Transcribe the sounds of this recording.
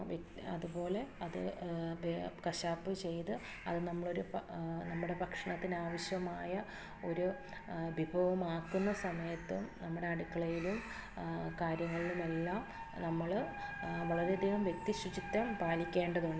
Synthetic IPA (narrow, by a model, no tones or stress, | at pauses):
ʋ | ɐ̰ðubo̞ːle̞ɐðɨ̰ | kɐɕaːpːɨt͡ɕe̞jt̪ɨ | ɐðɨnɐmːɐɭo̞ɾunɐmːuɽe̞pɐkʂɐɳɐt̪ːinaːʋɐɕjɐmaːjɐ | o̞ɾu | bʱibʱɐʋɐmaːkːunːɐsɐmɐjɐt̪ːumnɐmːuɽe̞ɐɽikːɐɭɐjilum | kaːɾjɐŋːɐɭilume̞lːaːm | nɐmːɐɭ | ʋɐɭɐɾed̪iːɦɐmʋjek̚t̪iɕut͡ɕit̪ːɐmpaːlikʲːe̞ːɳɖɐðuɳɖɨ